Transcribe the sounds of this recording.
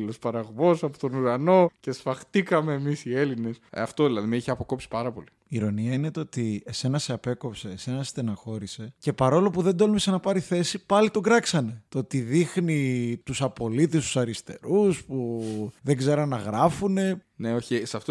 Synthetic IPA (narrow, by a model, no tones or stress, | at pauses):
lospɐɾɐɣvo̞sɐpot̪onuɾɐno̞ce̞sfɐxt̪ikɐme̞ːmisie̞line̞sɐ̰ft̪oðilɐðimeiçeɐpoko̞psi̥pɐɾɐpo̞li | iɾo̞niɐine̞t̪oot̪iese̞nɐse̞ɐpe̞ko̞pse̞ːse̞nɐst̪enɐxo̞ɾise̞ce̞pɐɾo̞lo̞puðe̞nd̪o̞lumesenɐpɐɾiθe̞sipɐlit̪o̞ɡɾɐksɐne̞t̪oot̪iðixnit̪usɐpo̞lit̪es̬t̪u̥sɐɾist̪e̞̰ɾuspuðe̞ɡze̞ɾɐnːɐɣɾɐfune̞ | neoçisɐft̪o